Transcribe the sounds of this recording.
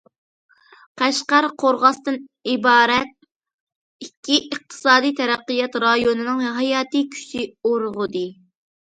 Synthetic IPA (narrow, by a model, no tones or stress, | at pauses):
qʰæʃqɑɾqʰoɾʁɑst̪ɨnibɑːɾɛt̪̚ | ikʲʰːiʔəq̚t̪ʰɨ̥sɑːd̪ijt̪ʰɛɾæqːijɑt̪ɾɑjonɨnɨŋɦɑjɑːt̪ɨkʲʰy̥ʃioɾʁʊd̪ɨ